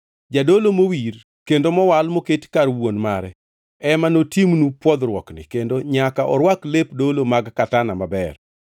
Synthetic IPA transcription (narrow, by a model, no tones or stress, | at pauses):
d͡ʒadolomowir | kendomɔwalmoketkarwonmaɾɛ | ɛmanotimnupwɔd̪ɾwɔknɪ̰kendoɲakaʔɔ̰ɾwaklepdolomaɡkatanamabɛr